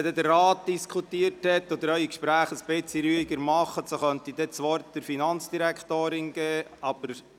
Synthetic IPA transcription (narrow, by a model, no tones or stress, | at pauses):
d̪ɛd̪ərːaːt̚d̪̥iskʰutiəɾthɛtːod̪əɾœʏikʃpɾæːχəsb̥ɪt͡siɾyːiɡəɾmɑχːəsoχœnt̪id̥̪ɛt͡sʋɑːɾd̥̪əɾfinɑnt͡sd̥iɾækʰt̪oːɾɪnɡ̥ɛːɑb̥əɾ